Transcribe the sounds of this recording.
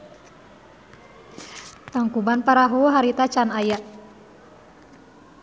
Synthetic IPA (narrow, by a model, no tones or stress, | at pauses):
t̪aŋkubanpaɾaɦuɦaɾit̪at͡ʃanajaʔ